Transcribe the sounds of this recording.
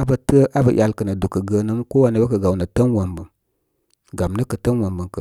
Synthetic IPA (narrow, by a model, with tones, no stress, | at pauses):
a˦bə˨˧tə˦ʔa˦bə˨jʔa˨lkə˨nə˨du˨kə˨ɡə˨nə˦m˦ko˦wa˨nə˨˦bə˦kə˨ɡa˨wnə˨tə˦nwə˨mbə˨m | ɡa˨mnə˦kə˨tə˦nwə˨mbə˨ŋkə˨